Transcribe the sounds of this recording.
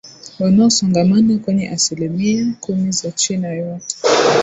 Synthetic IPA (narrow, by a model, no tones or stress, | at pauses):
wanaɔsɔŋɡamanakwɛɲɛʔasilemiakumizat͡ʃɛnajɔk